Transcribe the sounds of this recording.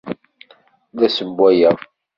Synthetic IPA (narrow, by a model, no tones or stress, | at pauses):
ðæsəmbʷwæjə